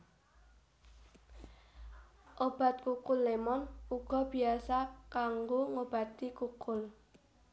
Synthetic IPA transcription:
ʔob̥a̤t̪̚kukʊlːemɔnuɡ̥ɔ̤b̥i̤asakaŋɡoŋob̥a̤t̪ikukʊl

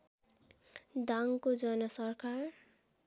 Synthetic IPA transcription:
d̪aŋkod͡zʌnʌsʌrkar

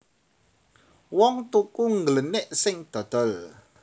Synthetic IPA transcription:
wɔŋt̪ukuŋɡələnɪʔsɪŋd̪̥ɔ̤d̪̥ɔ̤l

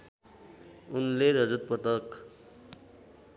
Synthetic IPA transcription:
unleɾʌd͡zut̪̚pʌt̪ʌk

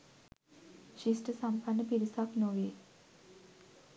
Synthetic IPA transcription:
ʃisʈəsampʰanːəpiɾisaknoʋeː

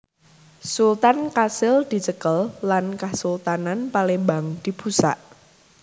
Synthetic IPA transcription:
sult̪ankasɪld̪̥i̤t͡ʃəkəlːankasult̪ananpalembaŋd̪̥i̤b̥ṳsa̰ʔ

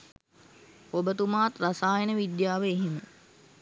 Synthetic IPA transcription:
obət̪umaːt̪rasaːjənəʋid̪jaːʋəeɦemə

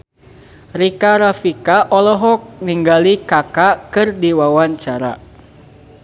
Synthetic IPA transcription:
rikaɾafikaʔɔlɔɦɔk̚niŋɡalikakakɨrdiwawaɲt͡ʃaɾa̰

